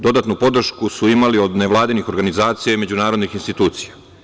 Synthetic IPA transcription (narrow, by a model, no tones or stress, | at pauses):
d̪o̞d̪at̪nupo̞d̪r̩ʃkusuimalio̞d̪neʋlˠaːd̪inixo̞ɾɡanizaːt̪sijaime̞d͡ʑunaːɾo̞d̪nixinst̪it̪uːt̪sija